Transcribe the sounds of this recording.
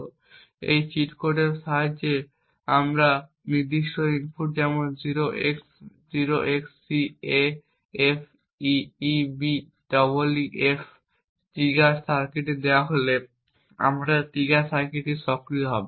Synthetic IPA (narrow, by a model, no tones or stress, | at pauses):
ḛjt͡ɕiʈkoɖeɾʃaɦad͡ʑe | amɾa | niɾd̪iʃʈoinfʰuʈ̚d͡ʑɛmonziɾoeks | d͡ʑiɾoʔeksːie | efʰ | iibi | ɖɔboliʔef | ʈiɡasaɾkeʈed̪eoaɦole | a̰mɾaʈiɡasaɾkeʈeʃɔkɾioɦɔbe